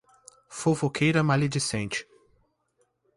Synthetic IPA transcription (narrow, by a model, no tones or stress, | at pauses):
fofokʰejɾɐmalid͡ʒisẽnt͡ʃɪ̥